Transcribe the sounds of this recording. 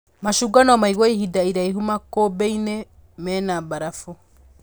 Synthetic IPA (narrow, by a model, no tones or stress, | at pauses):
maʃuɡanɔmaiɣɔiɦidaiɾaiɦumakobɛine | mɛnabaɾafɔ